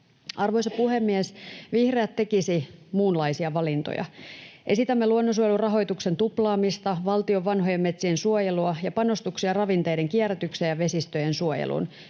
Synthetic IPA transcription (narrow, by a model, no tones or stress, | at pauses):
ʔɑrʋo̞jsɑpuhemːiesʋihreæt̪ːe̞kisimuːnlɑisiɑʋɑlint̪o̰jɑ̰ʔe̞sit̪æmːeluonːos̬uojelurɑɦo̞jt̪ukse̞nt̪uplɑːmist̪ɑʋɑlt̪io̞ʋʋːɑnɦo̞jemːe̞t̪siensuojeluɑjɑpɑno̞st̪uksiɑrɑʋint̪e̞jde̞ŋkiæræt̪yksejɑʋe̞sist̪øjensuojḛlʔṵn